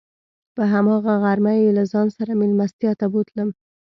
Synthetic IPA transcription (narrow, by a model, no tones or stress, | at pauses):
pəɦamɑɣaɣaɾmajelazɑnsaɾamɪlmast̪ijɑt̪abut̪ləm